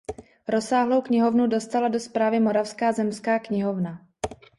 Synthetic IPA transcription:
ɾo̞saːɦlo̞wkɲɪɦo̞vnudo̞st̪alado̞spɾaːvɪmo̞ɾafskaːzɛmskaːkɲɪɦo̞vna

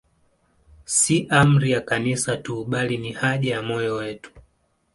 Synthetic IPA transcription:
siʔam̩ɾijakanisatuɓalinihaʄajamɔjɔwɛtu̥

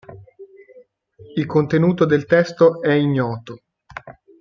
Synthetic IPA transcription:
ilkont̪enuːt̪od̪elt̪ɛst̪oɛiɲːɔːt̪o

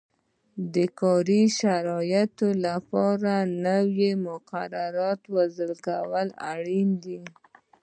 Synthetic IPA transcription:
d̪əkɑɾiʃaɾɑjat̪olapɑɾanəwjemʊqaɾaɾɑt̪wazəlkawəla̰ɽind̪i

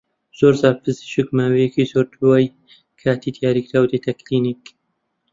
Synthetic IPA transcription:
z̥oːɾzapʰɨzɨ̥ʃɨkmaːwejɛkiːzoːɾd̪uwaːj | kʰaːt̪iːd̪ijaːɾiːkɾaːwd̪et̪ʰɐkliniːk

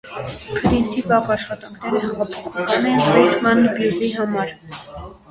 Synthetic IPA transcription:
kʰəɾint͡sʰipɑʁɑʃχɑt̪ɑŋkʰnɛɾəɦɑʁɑpʰɔχɑkʰɑnɛnpɛjt̪ʰmɑnbjuziɦɑmɑɾ

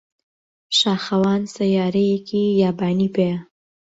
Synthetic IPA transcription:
ʃaːxɐwaːnsɐjaːɾɐjekʰijaːbaːniːpejɐ

